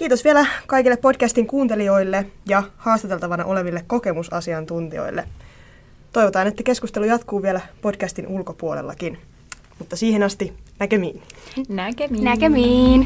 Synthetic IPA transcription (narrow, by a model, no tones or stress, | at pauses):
k̟iːt̪osʋielækɑjkilːepːodkæst̪iŋkuːnt̪e̞lio̞jlːe̞jɑhɑːst̪ɑt̪e̞lt̪ɑʋɑnɑʔo̞le̞ʋilːekko̞ke̞musɑsiɑnt̪unt̪io̰jlːḛ | t̪o̞jʋo̞t̪ɑːne̞t̪ːæke̞skust̪e̞lujɑt̪kuːʋielæpo̞dkæst̪inʔulko̞puo̞lḛlːɑ̰kin | mut̪ːɑsiːhenɑst̪inækømiːnnnæømin